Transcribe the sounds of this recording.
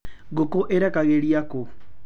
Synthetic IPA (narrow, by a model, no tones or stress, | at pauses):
ɡokoʔeɾakaɣeɺiako